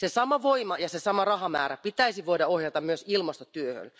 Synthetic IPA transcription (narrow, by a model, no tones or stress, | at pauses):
sesɑmɑʋoimɑjɑsesɑmɑrɑhɑmæ̰ːɾæpit̪æisiʋoidɑohjɑt̪ɑmmyøsilmɑst̪ot̪yøhø̰l